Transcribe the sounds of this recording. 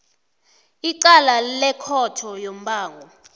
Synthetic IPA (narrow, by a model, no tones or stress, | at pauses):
iǃalalɛkʰɔtʰɔjom̩ɓaːŋɡʱɔ